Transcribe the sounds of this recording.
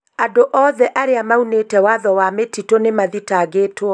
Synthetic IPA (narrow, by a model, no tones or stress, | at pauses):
adoʔɔːðɛʔaɾeamaunetɛwaðɔwametitonemaðitaɣetwɔ